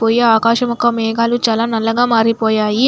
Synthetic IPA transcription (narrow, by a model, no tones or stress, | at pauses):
poːjeaːkaːʃɐmukɐmɛːɡaːlut͡ʃaːlaːnɐlːɐɡaːmaːɾipɔːjaːji